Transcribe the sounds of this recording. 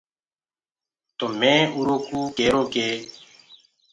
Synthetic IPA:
t̪oːmẽːuːɾoːkuːkeːɾoːkeː

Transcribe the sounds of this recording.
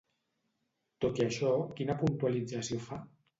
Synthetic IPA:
t̪ot̪iaʃɔkinapunt̪ualid͡zasiofa

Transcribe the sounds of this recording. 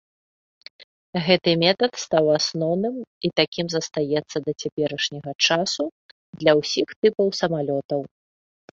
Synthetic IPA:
ɣɛt̪ɨmʲɛt̪ɐt̪st̪awasnɔwnɨmit̪akʲimzɐst̪ajɛt̪sːɐd̪ɐt͡sʲapʲɛɾɐʂnʲɐɣɐt͡ʂasu | d̪lʲɐwsʲixt̪ɨpɐwsɐmalʲɔt̪ɐw

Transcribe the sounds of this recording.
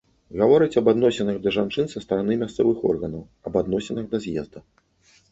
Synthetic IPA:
ɣavɔɾɨt͡sʲɐbad̪nɔsʲɛnɐɣd̪ɐʐant͡ʂɨnsɐst̪ɐɾanɨmʲast̪sɛvɨxɔ̰rɣɐnɐw | ɐbad̪nɔsʲɛnɐɣd̪ɐzʲjɛ̰zd̪ɐ

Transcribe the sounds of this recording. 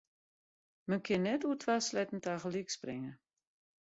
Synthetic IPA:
mənkʰɪnːɛtutʰʋaslɛjtn̩taɣəliksprɪŋə

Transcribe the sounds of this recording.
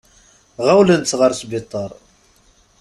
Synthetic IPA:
ʁawlənt̪sʁəɾˤsbɪt̪ˤːəɾˤ

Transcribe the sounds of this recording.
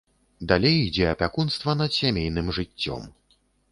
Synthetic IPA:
d̪alʲejid͡zʲɛɐpʲakunst̪vɐnɐd̪sʲamʲejn̪ɨmʐɨt͡sʲːɔ̰m

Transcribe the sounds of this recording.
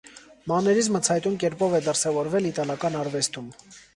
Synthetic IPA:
mɑnɛɾizmət͡sʰɑjt̪umkɛɾpɔvɛd̪əɾsɛvɔɾvɛlit̪ɑlɑkɑnɑɾvɛst̪um

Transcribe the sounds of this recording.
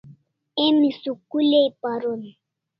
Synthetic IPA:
emisukuleipaɾoni

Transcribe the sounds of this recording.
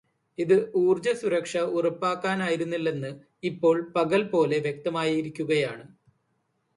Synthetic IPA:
iðɨʔuːrd͡ʑɐsuɾɐkʂɐurɐpːaːkːaːnaːjiɾunːilːe̞nːɨ | ipːo̞ːɭpɐɣɐlpo̞ːle̞ʋjek̚t̪ɐmaːjiiɾikʲːuɣɐjaːɳɨ

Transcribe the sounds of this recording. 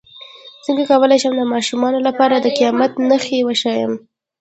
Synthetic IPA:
t͡səŋɡakawəlajʃəmd̪əmɑʃumɑnolapɑɾad̪əqijɑmat̪naxewaʃɑjəm

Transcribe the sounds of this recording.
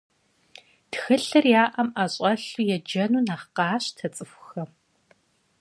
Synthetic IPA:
txɨɬɐrjaːʔɐmaɕʼɐɬujɛd͡ʒɐnuːnaːχqɑːɕtʰɐt͡sʼɨxʷxɐ

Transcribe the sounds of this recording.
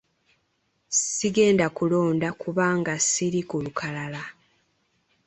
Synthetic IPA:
siɡe̞ːndakulo̞ːndakʰuβaːŋɡasiɾikulukʰalala

